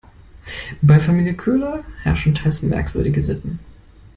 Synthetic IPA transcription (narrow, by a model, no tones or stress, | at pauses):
baɪfamiːljəkʰøːlɐhɛɐʃn̩tʰaɪs̩mɛ̰ɐkv̥ʏ̰ɐɾɪɡəzɪtn̩